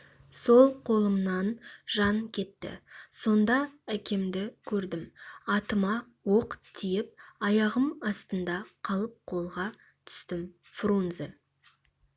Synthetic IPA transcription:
so̞lˠqʰo̞lˠəmnɑnʒɑŋkʲʰe̞t̪ːɪ̰so̞nd̪ɑækʲe̞md̪ɪkʲʰɵɾd̪ɪmɑt̪əmɑ | wo̞qt̪ʰijɪp̚ɑjɑʁəmɑst̪ənd̪ɑqʰɑlˠəp̚qʰo̞lˠʁɑ | t̪ʰʏ̥st̪ɪm | frunzḛ

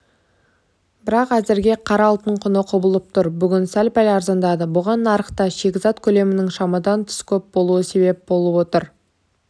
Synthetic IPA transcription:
bɪɾɑqæzɪɾɡʲe̞qʰɑɾɑːlˠt̪əɴqʰʊnəqʰʊbəlˠəp̚t̪ʰʊɾbʏɡʲɪnsælpæj̪ɑɾzɑnd̪ɑd̪əbʊʁɑnːɑɾəqt̪ɑʃe̞kʲɪzɑt̪kʲʰɵle̞mɪnɪŋʃɑmɑd̪ɑnt̪ʰʏ̥skʲʰɵp̚bo̞lˠuəse̞be̞p̚bo̞lˠəpwo̞t̪əɾ

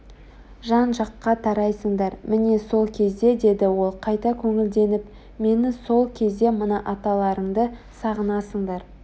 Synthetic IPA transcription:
ʒɑnʒɑqːɑt̪ʰɑɾɑjsəɴd̪ɑɾmɪne̞so̞lˠkʲʰe̞zd̪e̞d̪e̞d̪ɪwo̞lˠqʰɑjt̪ɑkʲʰɵŋɪld̪e̞nɪp | me̞nɪso̞lˠkʲʰe̞zd̪e̞mənɑʔɑt̪ɑlˠɑɾəɴd̪əsɑʁənɑsəɴd̪ɑɾ

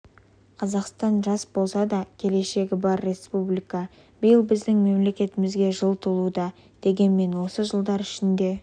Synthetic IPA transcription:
qʰɑzɑqst̪ɑnʒɑsbo̞sɑd̪ɑkʲʰe̞le̞ʃe̞ɡʲɪbɑɾːe̞spublijkɑ | b̥əjəlˠbɪzd̪ɪŋme̞mle̞kʲe̞t̪ɪmɪzɡʲe̞ʒəlˠt̪ʰəlˠud̪ɑ | d̪̥e̞ɡʲe̞nme̞nwo̞səʒəlˠd̪ɑɾɪʃɪnd̪e̞

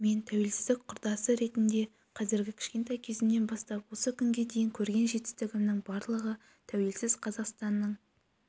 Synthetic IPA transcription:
me̞nt̪ʰæwe̞lsɪzd̪ɪk̚qʰʊɾd̪ɑsəɾe̞t̪ɪnd̪e̞ | qʰɑzɪɾɡʲɪkʲʰɪ̥ʃkʲe̞nt̪ɑjkʲʰe̞zɪmne̞nbɑst̪ɑpwo̞səkʲʏŋɡʲe̞d̪e̞jɪŋkʲʰɵɾɡʲe̞nʒe̞t̪ɪ̥st̪ɪɡʲɪmnɪŋbɑɾlˠəʁə | t̪ʰæwe̞lsɪz̥qʰɑzɑqst̪ɑnːəɴ

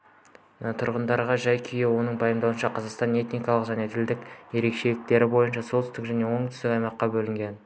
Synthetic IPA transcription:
t̪ʰʊɾʁənd̪ɑɾʁɑʒɑjkʲʰijewo̞nəɴbɑjəmd̪ɑwənʃɑqʰɑzɑqst̪ɑne̞t̪nijkɑlˠəqʒæned̪ʰɪld̪ɪkje̞ɾe̞kʃe̞lɪk̚t̪e̞ɾɪbo̞jənʃɑsolt̪ʏst̪ɪkʒæne̞wo̞ɴt̪ʰʏst̪ɪkɑjmɑqːɑbɵlɪŋɡʲe̞n

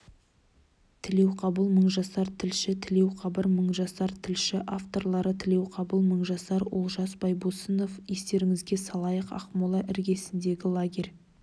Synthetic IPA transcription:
t̪ʰɪle̞wqʰɑbəlˠməɴʒɑsɑɾt̪ʰɪlʃɪt̪ʰɪle̞wqʰɑbəɾməɴʒɑsɑɾt̪ʰɪlʃɪʔaft̪o̞ɾlˠɑɾət̪ʰɪle̞wqʰɑbəlˠməɴʒɑsɑɾwo̰lˠʒɑsbɑjbosəno̞fje̞st̪e̞ɾɪŋɪzɡʲesɑlˠɑjəqɑ̰qmolˠɑʔɪɾɡʲe̞sɪnd̪e̞ɡʲɪlˠaɡʲe̞ɾʲ

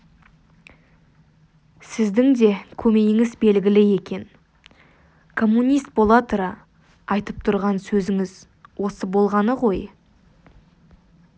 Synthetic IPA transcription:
sɪzd̪ɪŋd̪e̞kʲʰɵme̞jɪŋɪzbe̞lɡʲɪlɪje̞kʲe̞n | kʰo̞mːunʲijst̪̚b̥o̞lˠɑt̪uɾɑ | ɑjt̪əp̚t̪ʰʊɾʁɑnsɵzɪŋɪz | wo̞səbo̞lˠʁɑnəʁo̞j

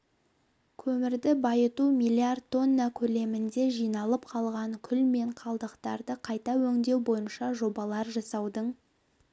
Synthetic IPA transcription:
kʲʰɵmɪɾd̪ɪbɑjət̪umijlʲˠiard̪̚t̪ʰːo̞nːakʲʰɵle̞mɪnd̪e̞ʒijnɑlˠəp̚qʰɑlˠʁɑŋkʲʰʏlme̞ɴqʰɑlˠd̪əqt̪ɑɾd̪əqʰɑjt̪ɑwɵŋd̪e̞wbo̞jənʃɑʒo̞bɑlˠɑɾʒɑsɑwd̪əɴ

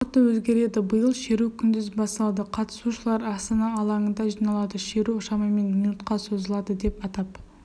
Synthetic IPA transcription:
t̪əwɵzɡʲe̞ɾe̞d̪ɪbəjəlˠʃe̞ɾukʲʰʏnd̪ɪzbɑsɑlˠɑd̪əqʰɑt̪ə̥suʃəlˠɑɾɑst̪ɑnɑːlˠɑɴənd̪ɑʒijnɑlˠɑd̪əʃe̞ɾuʊʃɑmɑme̞nminut̪qɑso̞zəlˠɑd̪əd̪e̞pɑt̪ɑp̚

